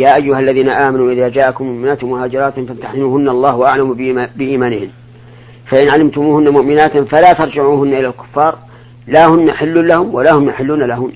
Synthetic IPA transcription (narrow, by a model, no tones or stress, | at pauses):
jaːʔajːʊhalːaðiːnaʔaːmanuːʔɪðaːd͡ʒaːʔakʊmːʊʔmɪnaːt̪mʊhaːd͡ʒɪɾˤɑːt̪famt̪aħzɪnuːhʊnːaɑlˤːɑːhwaʔaʕlambɪʔiːmaːnɪhɪm | faʔɪnʕalɪmt̪ʊmuːhʊnːamʊʔmɪnaːt̪falaːt̪ɑɾˤd͡ʒɪʕuːhʊnːaʔɪlalkʊ̥fːɑːɾˤ | laːhʊnːaħɪlːʊlahʊmwalahʊmjaħɪlːʊnalaɦʊm